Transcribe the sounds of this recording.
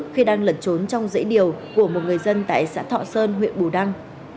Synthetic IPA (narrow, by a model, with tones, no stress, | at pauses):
k̚xi˧ɗaː˧ŋlə˨˩t̚t͡ɕo˨˦nt͡ɕɔ˧wŋ͡mzə̰˧˥jɗi˨˩əwku˧˩əmo˨˩t̚ŋɨ˨˩əjzə˧nt̪a̰ː˧˨jsa̰ː˧˥t̪ʰɔ̰˧˨səː˧nɦwḭ˧˨nɓu˨˩ɗa˧ŋ